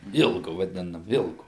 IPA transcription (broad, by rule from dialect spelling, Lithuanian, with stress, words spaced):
ˈɪlˠɡʊ ʋɐˈdʲɪnɐm ˈɪlˠɡʊ